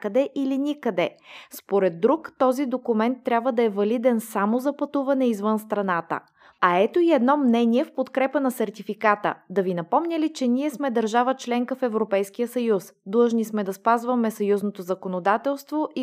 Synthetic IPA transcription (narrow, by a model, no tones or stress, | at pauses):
kəd̪ɛʔilinʲikəd̪ɛspoɾɛd̪ːɾukt̪ɔzid̪okumɛnt̪ːɾʲabvəd̪ɐɛvɐlid̪ɛnsamozɐpɐt̪uvɐnɛizvənst̪ɾɐnat̪ə̰ | ɐɛt̪oiɛd̪nɔmnɛniɛfpot̪kɾɛpənɐsɛɾt̪ifikat̪ə̰d̪ɐvinɐpɔmnʲəlit͡ʃɛniɛsmɛd̪ɐɾʒavət͡ʃlɛŋkəfɛvɾopɛjsk̟ijəsɐjusd̪lˠəʒnismɛd̪ɐspazvəmɛsɐjuznot̪ozɐkonod̪at̪ɛlˠst̪voʔi